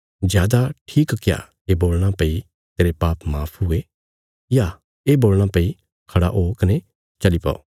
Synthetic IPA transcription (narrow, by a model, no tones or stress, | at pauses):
zjaːd̪aʈʰiːkkja̰ | eboːlɽ̃ãpei | t̪eːɾepaːpʰmaːpʰɦʊe | ja | eboːlɽ̃ãpei | kʰɐɽa̰ʔoːkɐne | t͡ʃɐlipa̰ːo̰